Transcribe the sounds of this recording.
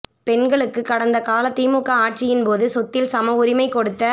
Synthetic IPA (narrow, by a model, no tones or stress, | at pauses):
pɛnɡɐɭɯkːɯkːɐɽɐnd̪ɐkaːlɐt̪ːiːmuːkːɐaːʈ̚t͡ʃɪjɪnpoːðɯsɔt̪ːɪlsɐmɐʊɾɪmɐɪkːɔɽɯt̪ːɐ